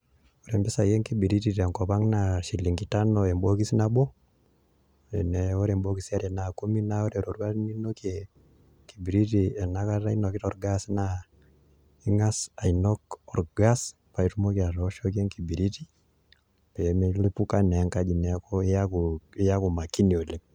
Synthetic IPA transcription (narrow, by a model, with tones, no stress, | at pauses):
ɔ˨ɾɛ˨mbɛ˦sa˨jɛ˦ŋki˦bi˨ɾi˦tiɾa˨ŋkɔ˨pa˦ŋnaʃi˨li˨ŋɡi˨ta˦nɔɛ˨mbo˦ki˦si˦na˨ɓɔ˦ | ɛ˨nɛɔ˦ɾɛ˨mbo˦kisia˦ɾɛ˨naku˦mi˦naɔ˦ɾɛ˨ɾo˨ɾua˦ni˦no˦kɛ | ki˨bi˨ɾi˦t̬iɛ˨na˦kaɾa˦i˦nɔ˨ki˦tɔɾɡasna | i˦ŋa˦sa˨i˨nɔ˦kɔ˨ɾɡa˦s | pa˨i˦tu˦mo˦ki˦a˨ɾɔʃɔ˦ke˦ŋki˨bi˨ɾi˦ti˦ | pɛ˨me˦li˦pu˦ka˦nɛ˨ŋka˦d͡ʒi˨nɛ˨˦kɔa˦kja˦ku˨ma˨ki˦ni˨o˨lɛ˨